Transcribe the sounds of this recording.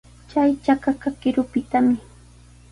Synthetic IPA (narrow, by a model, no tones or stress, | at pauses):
t͡ʃajt͡ʃakakakɪɾʊpɪt̪amɪ